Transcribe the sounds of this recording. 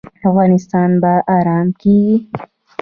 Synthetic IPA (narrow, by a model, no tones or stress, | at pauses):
avɣɑːnɪst̪ɑːnbaʔaɾɑːmkiɡi